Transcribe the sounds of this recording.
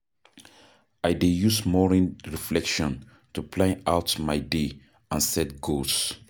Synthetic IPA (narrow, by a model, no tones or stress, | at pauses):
ajdejusmɔɹĩnɹiflɛkʃɔ̃n | tupʰlãawtmajde | ãnsɛt̚ɡols